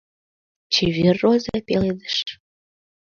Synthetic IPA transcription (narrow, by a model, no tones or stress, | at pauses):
t͡ɕeβirːozepeled̪ə̥ʃ